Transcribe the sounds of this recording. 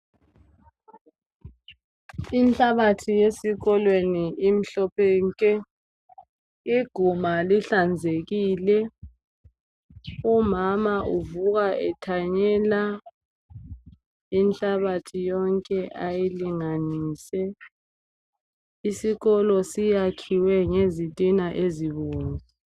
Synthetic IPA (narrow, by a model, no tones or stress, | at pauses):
int͡ɬʼaβatʰijesiɣɔlweniʔim̩ɬɔpʰɛŋkʼɛ | iɡ̥ʱumaliɬand͡zʱeɣiːlɛ | umamaʔuvuɣaʔɛtʰaɲɛːla | int͡ɬʼaβatʰijɔŋkʼɛʔajiliŋaniːsɛ | isiɣɔlɔsijakʰiwɛŋezitʼinaʔeziβuːŋi